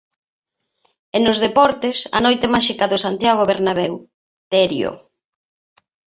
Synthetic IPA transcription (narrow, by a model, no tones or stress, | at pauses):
enʊzðepɔɾt̪esɐ̰nojt̪emaʃikaðosant̪jaɣ̞oβeɾnaβew | t̪eɾjo̰